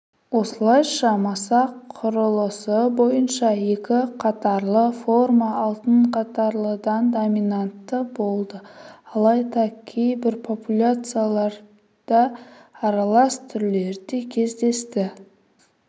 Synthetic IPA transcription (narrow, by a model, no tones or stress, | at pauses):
wo̞səlˠɑjʃɑmɑsɑqʰʊɾəlˠəsəbo̞jənʃɑje̞kʲɪqʰɑt̪ɑɾlˠəfo̞rmɑːlˠt̪əɴqʰɑt̪ɑɾlˠəd̪ɑnd̪o̞minant̪ːəbo̞lˠd̪əɑlˠɑjd̪ɑkʲʰejbɪɾpʰo̞pulʲat̪sɨjalˠɑɾ | d̪̥ɑːɾɑlˠɑst̪ʰʏɾle̞ɾd̪ekʲʰe̞zd̪e̞st̪ɪ